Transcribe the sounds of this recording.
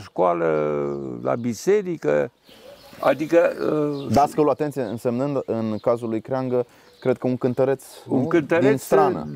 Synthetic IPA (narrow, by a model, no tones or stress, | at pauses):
ʃkalə | la̰bise̞ɾikə | a̰d̪ikəd̪askəuluat̪et̪sijeɨnse̞mnɨnd̪ɨnkazulːujkɾeaŋɡə | kɾe̞d̪̚kəuŋkɨnt̪əɾe̞t̪suŋkɨnt̪əɾdienst̪ɾanə̰